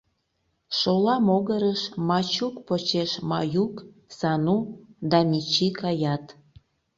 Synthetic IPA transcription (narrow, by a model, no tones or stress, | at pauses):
ʃolɑmoɣəɾəʃmɑt͡ɕukpot͡ɕeʃmɑjuk | sɑnud̪ɑmʲit͡ɕikɑjɑt̪